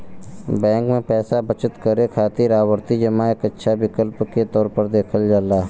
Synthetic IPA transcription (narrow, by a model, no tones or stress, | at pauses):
bɛ̃ːŋkmẽpɛːsabət͡ʃət̪kəɾekʰaːt̪iɾaːwəɾt̪id͡ʒəmaeːkətːʃʰabɪkəlpket̪ɔːɾpəɾd̪eːkʰəld͡ʒaːlaː